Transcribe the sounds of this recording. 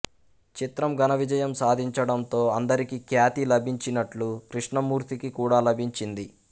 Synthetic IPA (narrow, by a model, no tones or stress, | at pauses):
t͡ʃit̪ɾɐmɡɐnɐʋid͡ʒɐjɐmsaːd̪ʱiɲt͡ʃɐɽɐnt̪o̞ːɐnd̪ɐɾikikjaːt̪ilɐbʱiɲt͡ʃinɐʈlukɾiʂɳɐmuːɾt̪ikikuːɽaːlɐbʱiɲt͡ʃind̪i